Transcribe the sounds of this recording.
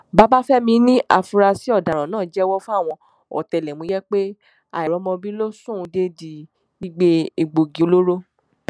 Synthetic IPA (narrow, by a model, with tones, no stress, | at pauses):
ba˦ba˦fɛ˦mĩ˧nĩ˦ʔa˧˨fu˧ɾa˧si˨˦ɔ˦˨da˨ɾ̃ã˨nãː˦˨d͡ʒɛ˦wɔ˦fũ˦a˦˨w̃ɔ̃˧ | ɔ̰˨tɛ˨lɛ˨mũ˨˧˦jɛ˦k͡pe˦ | a˨ɛ˨ɾɔ˨˦mɔ̃˧bi˦lo˦sũ˦˧de˦di˨ | i˦ɡ͡be˧e˨ɡ͡bo˨ɡi˨˦lo˦ɾo˦